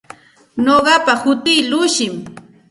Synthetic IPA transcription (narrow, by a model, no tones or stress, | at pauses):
noɢɑpahʊt̪ɪːlʊʃɪm